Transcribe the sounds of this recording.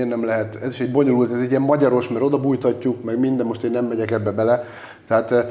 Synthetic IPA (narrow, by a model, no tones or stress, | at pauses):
nɛmlɛɦɛt̪ɛziʃɛɟbo̞ɲo̞lult̪ɛzɛɟːiɛmmɒɟɒɾo̞ʃmɛɾo̞d̪ɒbujt̪ɒcːukmɛɡmind̪d̪ɛmo̞ʃt̪eːnːɛmːɛɟɛkɛbːɛbɛlɛ | t̪ɛɦaːt̪